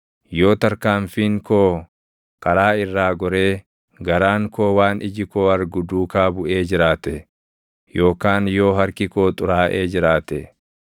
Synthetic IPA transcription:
jo̞ːt̪ɐɾkaːmfiːŋko̞ː | kɐɾaːɪrːaːɡɔɾeː | ɡɐɾaːŋko̞ːwaːnʔɪd͡ʒɪko̞ːɐɾɡʊd̪uːkaːbʊʔe̞ːd͡ʒɪɾaːt̪ɛ | jo̞ːkaːnjo̞ːɦɐɾkɪko̞ːt̪ʼʊɾaːʔeːd͡ʒɪɾaːt̪ɛ

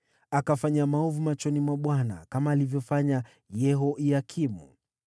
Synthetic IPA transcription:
akafaɲamaɔvumat͡ʃɔnimwaɓwana̰kamaːlivjɔfaɲa | jɛɦɔʔiakʰimṵ

